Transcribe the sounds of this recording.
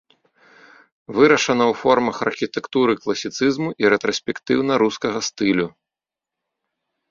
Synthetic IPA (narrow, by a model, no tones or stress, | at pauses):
vɨɾɐʂɐnɐwfɔrmɐxɐrxʲit̪ɛkt̪uɾɨklˠɐsʲit̪sɨzmuʔiɾɛt̪ɾɔsʲpʲɛkt̪ɨwnɐɾuskɐɣɐst̪ɨlʲu